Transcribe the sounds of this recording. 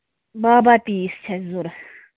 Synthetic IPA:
baːbapiːst͡ʃʰɐzuɾ

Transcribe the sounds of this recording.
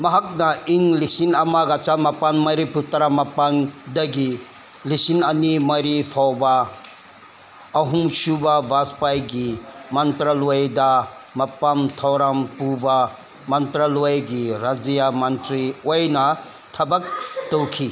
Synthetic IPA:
mɐɦak̚nɐiŋlisinɐmaɡat͡ʃamɐpanmɐjɾipʰutɐɾamɐpaŋdɐɡi | lisinɐnimɐjɾipʰawbɐ | ɦuŋsubabaspajɡimɐntɾɐlojdɐ | mɐpamtʰawɾampuba | mɐntɾɐlojɡiɾad͡ʒijamɐntɾiojnɐ | tʰɐbɐk̚towkʰi

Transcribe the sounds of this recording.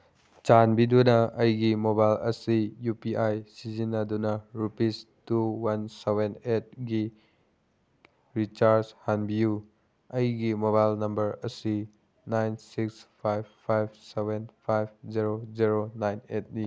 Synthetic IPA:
t͡ʃanbidunɐɐjɡimobajlɐ̰siːupiʔajsizinːɐdunɐɾupistuwansewenet̚ɡi | ɾit͡ʃaɾshanbiju | ɐjɡimoβajlnɐmbɐɾɐsi | najnsikspʰajbpʰajb̚ʰseβenpʰajb̚ziɾoziɾonajnet̚ni

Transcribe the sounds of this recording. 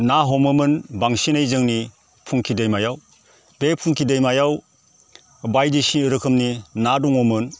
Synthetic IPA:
naɦɔmɯmɯnbaŋsinajzɯŋni | pʰuŋkʰidɯjmajaw | b̥epʰuŋkʰidɯjmajaw | bajdisiɾɯkʰɯmninaduŋɔmɯn

